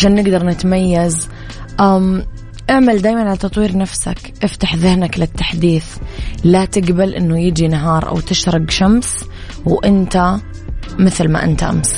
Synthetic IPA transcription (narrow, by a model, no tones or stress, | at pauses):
ʃaːnːɪɡd̪ɑɾˤnɪt̪majːaz | ʔam | ʔaʕmald̪aːjmanʕalat̪ɑt̪ˤwiːɾnafsak | ʔɪft̪aħðɪhnaklɪt̪ːaħd̪iːθlat̪ɪɡbalʔɪnːʊjɪd͡ʒinaɦɑːɾˤʔa̰wt̪ɪʃɾˤɑɡʃams | wʔɪnt̪a | mɪθlma̰ʔɪ̰nt̪aʔa̰ms